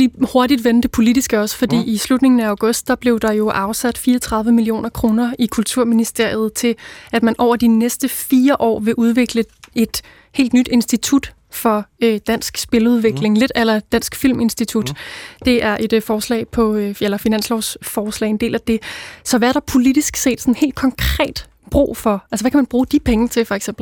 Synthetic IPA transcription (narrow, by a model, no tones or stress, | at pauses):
l̥iho̝ɐdid̥ʋend̥əpʰo̝lid̥isɡ̥əɒ̽sə̥fɒ̽d̥ḭːislud̥ne̝ŋn̩æɑ̈ʊɡ̥ɔ̽sd̥̚d̥ɑ̈b̥le̝ʊd̥ɑ̈jo̝ʔɑ̈ʊsæd̥fiːɐt͡sʰʁɑ̈ð̞ˠʋəmilio̝̰ːnʔɐkʰʁo̝ːnɐikʰult͡sʰuɐ̰minisd̥e̝ɐ̰jð̞̩ˠt͡sʰe̝læd̥mænʔɒʊ̰ɐd̥inesd̥əfiːɐʔɒ̰ːʋe̝ʔuð̞ˠʋe̝ɡ̥ləe̝d̥ | he̝̰ːld̥nyd̥e̝nsd̥it͡sʰud̥ | fɒ̽ød̥æn̰sɡ̥sb̥e̝ləuð̞ˠʋe̝ɡ̥le̝ŋle̝d̥ælɐd̥æn̰sɡ̥fil̰me̝nsd̥it͡sʰud̥d̥e̝ʔæɐʔe̝d̥fɒːslɛ̰ːɪpʰɒ̽elɐfinæn̰slɒʊsfɒːslɛ̰ɪe̝nd̥e̝̰ːlæd̥e̝sɒ̽ʋææɐɾ̥ɑ̈pʰo̝lid̥isɡ̥se̝̰ːd̥sɒ̽nhe̝̰ld̥̚kʰɒ̽ŋkʰʁɛ̰ːd̥ | b̥ʁṵːfɒ̽æls̬əʋækʰæmænb̥ʁuːd̥ipʰeŋət͡sʰe̝fɒ̽eɡ̥sem̰bl